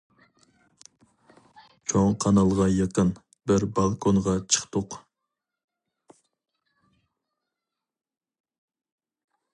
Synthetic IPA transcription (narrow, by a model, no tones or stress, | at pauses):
t͡ʃʰoŋqʰɑnɑlˠʁɑjɑqən | bɪɾbɑlˠkʰonʁɑt͡ʃʰə̥χt̪ʊq